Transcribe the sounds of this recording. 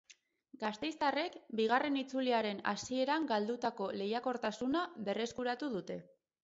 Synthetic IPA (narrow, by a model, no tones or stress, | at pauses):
ɡast̪e̞jst̪are̞kbiɣ̞are̞nit͡suliaɾe̞na̰sie̞ɾaŋɡald̪ut̪ako̞le̞jako̞ɾt̪asunaβe̞re̞skuɾat̪uðut̪e̞